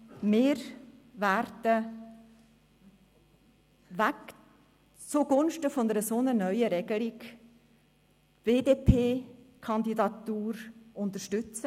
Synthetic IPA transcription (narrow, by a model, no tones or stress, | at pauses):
mɪːɾværd̥ə | væk | t͡suɡʊnʃtəfɔndəɾəsonənœʏəɾɛɡ̥əlik | v̥eːdeːpʰeː | kʰɑnd̪idɑt̪uːɾʊnt̪əʃtʏt͡sə